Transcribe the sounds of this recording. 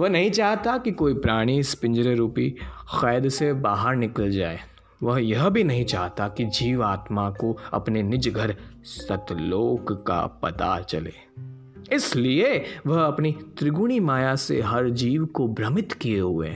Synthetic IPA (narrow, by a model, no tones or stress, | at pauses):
ʋɐɦnɐɦĩt͡ʃaːɦt̪akikoːipɾaːɽ̃ispɪ̃ɲd͡ʒɾeɾuːpixɛːd̪sebaːɦəɾnɪkəld͡ʒaːeː | ʋɐɦjɐɦbʱinɐɦĩt͡ʃaːɦt̪akid͡ʒiːʋaːt̪makoɐ̰pnenɪd͡ʒɡʱəɾsɐt̪loːkka̰pɐ̰t̪a̰t͡ʃɐ̰lḛː | ɪslieʋɐɦɐpnit̪ɾɪɡuɽ̃imaːjasḛɦɐɾd͡ʒiːʋkobɾɐmɪt̪kijeɦʊḛ